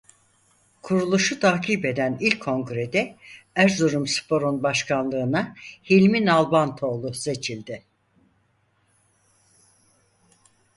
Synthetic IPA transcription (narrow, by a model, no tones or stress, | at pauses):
kʰuɾulˠuʃut̪ʰaːcʰiːpe̞d̪ænilʲkʰːo̞ŋɡɾe̞d̪ɛ | æɾzoɾumspʰo̞ɾonbaʃkʰanlˠɯːnahilʲminalˠbant̪ʰo̞ːlˠuse̞t͡ʃʰilʲd̪ɪ